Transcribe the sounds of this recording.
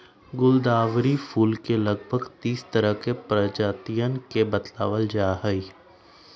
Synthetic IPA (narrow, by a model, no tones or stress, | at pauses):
ɡʊld̪aːʋɾifʰuːlkelɐɡbʱəɡt̪iːst̪ɐɾəɦkepɾəd͡ʒaːt̪ijənkebɐt̪la̰ːʋəld͡ʒaːɦəi